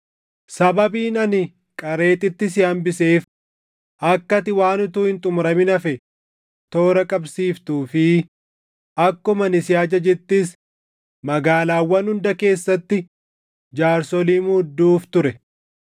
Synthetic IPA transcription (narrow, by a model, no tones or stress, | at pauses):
sɐbɐbiːnɐnɪ | kʼɐɾe̞ːt̪ʼɪt̪ːɪs̬ɪɐmbɪse̞ːf | ʔɐkːɐt̪ɪwaːnʊt̪uːhɪnt̪ʼʊmɾɐmɪnɐfɛ | t̪o̞ːɾɐkʼɐbsiːft̪uːfɪ | ʔɐkːʊmɐnɪsɪaːd͡ʒɐd͡ʒɛt̪ːɪs | mɐɡaːlaːwːɐnhʊnd̪ɐke̞ːsːɐt̪ːɪ | d͡ʒaːɾsɔliːmuhd̪ːuːft̪ʊɾɛ